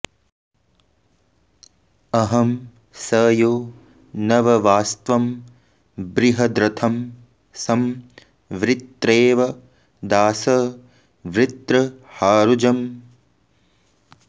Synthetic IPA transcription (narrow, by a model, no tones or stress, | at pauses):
ɐɦɐm | sɐːjoː | nɐʋɐʋaːst̪ʋɐm | bɾiɦɐd̪ɾɐt̪ʰɐm | sɐm | ʋɾɪt̪ɾeːʋɐ | d̪aːsɐ | ʋɾɪt̪ɾɐhaːɾud͡ʒɐm